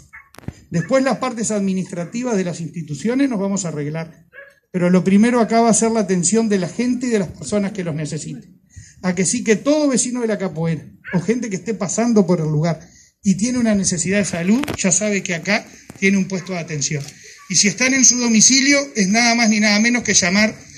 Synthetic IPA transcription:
d̪e̞hpwe̞zlaspaɾt̪e̞saðminist̪ɾat̪iβazðe̞lasinst̪it̪usjo̞nezno̞zβamo̞saːreɣlaɾ | pe̞ɾolo̞pɾime̞ɾoakaβaːseɾlaːt̪e̞nsjo̞nd̪elaxe̞nt̪eiðe̞lahpeɾso̞naske̞lozne̞se̞sit̪e̥ | akesike̞t̪o̞ð̞o̞βe̞sinoðelakapoeɾaoxe̞nt̪e̞k̬eht̪epasand̪o̞po̞ɾelːuɣaɾ | it̪je̞neunane̞se̞siðaðesaluðʒ̥asaβe̞keakat̪je̞neumpwe̞st̪o̞ðat̪e̞nsjo̞nisie̞ht̪ane̞nsuðo̞misiljo̞eznaðamazninaðamenohke̞ʒamaɾ

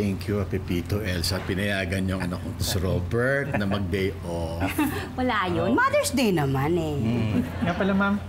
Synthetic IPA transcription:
ɛŋkjuɐpɪpiːt̪oʔɛlsɐpɪnɐjaːɡɐnɲoŋɐnɐkːot̪osɪɾobɛɹt̪̚nɐmɐɡ̚d̪ɛjʔo | wɐlaːʔɐjonmad̪ɛɹsd̪ɛjnɐmanɛ | ŋapɐlamam

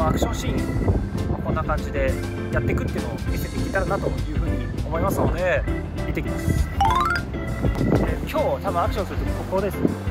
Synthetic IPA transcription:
oakɯ̟ɕõ̞ɕĩː | makõ̞nːakãɲ̟d͡ʑid̪e̞ | jat̪ːe̞kɯ̟t̪eiɯ̟noomeset̪ekʲiːt̪aɾanat̪o̞jɯ̟ːɸɯ̟ːɲ̟io̞mo̞imasoːd̪e̞ | d̪e̞t̪e̞kʲimas | dekʲʰo̞ːt̪abɯ̟̃akɯ̟ɕõsɨɾɯ̟t̪o̞kʲkoko̞ːd̪e̞sɨn

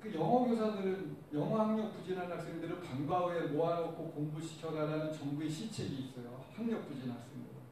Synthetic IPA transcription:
kɯjʌŋʌɡjosʰadɯɾɯnjʌŋɦʌhaŋɲʌk̚p͈ud͡ʑinanmak̚s͈eŋdɯɾɯpaŋbaue̞moanʌkʰokoŋbuɕʰi̥t͡ɕʰʌɾaɾanɯnt͡ɕʌŋbue̞ɕʰit͡ɕʰeɡiːs͈ʌjo | haŋɲʌk̚p͈ud͡ʑinaks͈eŋdɯ

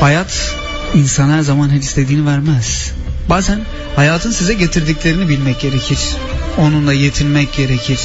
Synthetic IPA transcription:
hajat̪ʰ | insanæɾzamanɦet͡ʃisle̞d̪iːnivæɾmɛz̥ | baːzæn | hajaːt̪ʰɯnsizɛɟe̞t̪ʰiɾd̪iclʲe̞ɾinibilʲmɛc̚ɟe̞ɾecʰiɾ̥ | o̞nund̪ˠaje̞t̪ʰilʲmɛc̚ɟe̞ɾecʰiɾ̥

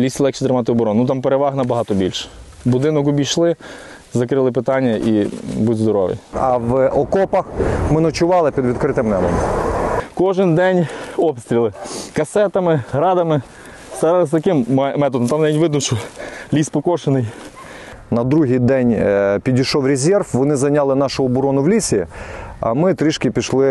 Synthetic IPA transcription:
lʲisʲlˠɛk̚t͡ʃit̪ɾɪmɑt̪̬ɪɔbɔɾɔnnut̪ɑmpeɾeʋɑɦnɐbɐɦɑt̪ɔbʲilʲʃ | bʊd̪ɪnɔk̬ʊbʲijʃlˠɪ | zɐkɾɪlˠɪp̬ɪt̪ɑnʲːɐʔibudʲzd̪ɔɾɔʋɪ̰jɐʋɔkɔpɐxmɪnɔt͡ʃʊʋɑlˠɪpʲid̪ʋʲid̪kɾɪt̪ɪmnɛbɔ̰m | kɔʒɪnd̪ɛnʲɔpsʲt̪ʲɾʲilˠɪkɐsɛt̪ɐmɪɦɾɑd̪ɐmɪ | st̪ɐjɑlˠɪst̪ɐkɪmɛmɛt̪ɔd̪ɔmt̪ɑmnɛʋʲinʲʋɪd̪nʊʃt͡ʃɔlʲispɔkɔʃenɪj | nɐd̪ɾuɦijd̪ɛnʲpʲidʲijʃɔwɾʲezʲɛrfʋɔnɪzɐnʲalˠɪnɑʃʊɔbʊɾɔnʊwlʲisʲiɐ̰mɪt̪ɾɪʃkʲɪpʲiʃlˠɪ

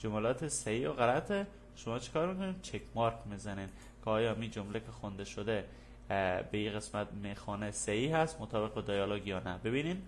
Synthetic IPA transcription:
d͡ʒomælɒːt̪ʰesæhiːoɣælæt̪ʰe | ʃomɒːt͡ʃʰe̥kʰɒːɾmikoniːd̪t͡ʃʰekʰmɒɾkʰmizæniːn | kʰeɒːjɒːmiːd͡ʒomlekʰexond̪eʃod̪e | beiːɣe̞smæt̪mexɒːnesehiɦæst̪mot̪ʰɒːbeɣbed̪ɒjɒloɡjɒːnæbe̞biːnin

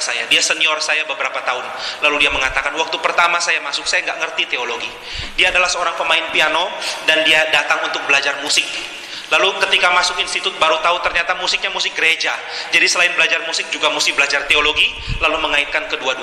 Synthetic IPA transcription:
saja̰diasəniɔrsajabəbɾapat̪aʊnlaludiaməŋat̪akanwak̚t̪upərt̪amasajamasʊk̚sajaŋɡaʔŋərt̪it̪eoloɡi | diaːdalahsəoɾaŋpəmaɪnpianodandiadat̪aŋunt̪ʊk̚bəlad͡ʒarmusɪk̚ | lalukət̪ikamasʊkinst̪it̪ʊt̪̚baɾut̪aʊt̪ərɲat̪amusɪk̚ɲamusɪk̚ɡəɾed͡ʒa | d͡ʒadisəlaɪnbəlad͡ʒarmusɪk̚d͡ʒuɡamusɪk̚bəlad͡ʒart̪eoloɡi | laluməŋaɪt̪̚kankəduadu

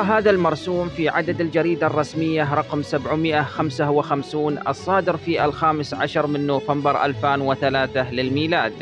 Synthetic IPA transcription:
ɦaːðalmɑɾˤsuːmfiʕad̪ad̪ald͡ʒaɾiːd̪arˤːɑsmɪjːaɾˤɑqmsabʕmɪʔaxamsawɪxamsuːnʔɑ̰sˤːɑːd̪ɪɾfiːʔa̰lxaːmɪsʕa̰ʃɑɾˤmɪnːoːfambɪɾʔa̰lfaːnwɪθalaːθalɪlmiːlaːd̪

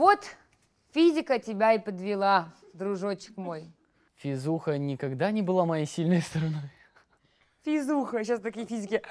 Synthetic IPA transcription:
vo̞t̪ | fʲizʲɪkətʲɪbʲaɪpəd̪vʲɪlˠa | d̪ɾʊʐot͡ɕɪ̥kmo̞j | fʲɪzuxənʲɪkɐɡd̪anʲɪbɨlˠamɐjejsʲilʲnɨjst̪əɾɐnoj | fʲizuxəɕast̪ɐkʲijəfʲizʲɪkʲɪ

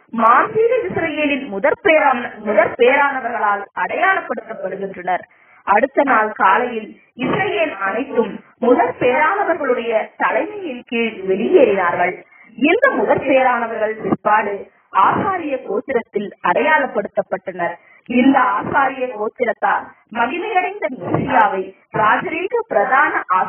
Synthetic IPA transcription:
maːnd̪iːɣɐɪsɾɐjeːlɪnmʊðɐɾpeɾamʊðɐɾpejɐɾaːnɐʋɐɾɣɐɭaːlɐɽɐjaːlɐpːɐɽɯt̪ːɐpːɐɽɯɣɪndrɐnɐɾ | ʔɐɽɯt̪ːɐnaːlkaːlɐjɪl | ɪsɾɐjeːlɐnɐɪt̪ːɯmː | ʊðɐɾpejɐɾaːnɐʋɐɾɣɐɭɯɽɐjɐt̪ɐlɐɪmɐjɪnkiːɻʋɛɭɪjeːɾɪnaːɾɣɐɭ | ɪnd̪ɐmʊðɐɾpɛejɐɾaːnɐʋɐɾɣɐɭpɪɾpaːɽɯ | aːsaːɾɪjɐkoːt̪ːɪɾɐt̪ːɪlɐɽɐjaːlɐpːɐɽɯt̪ːɐpːɐʈːɐnɐɾ | ɪnd̪ɐaːsaːɾɪjɐkoːt̪ːɪɾɐt̪ːaːl | mɐɣɪmɐjɐɽɐɪnd̪ɐmɪsɪjaːʋɐɪ | ɾaːd͡ʒɐɾiːŋɡɐpɪɾɐðaːnɐʔaː

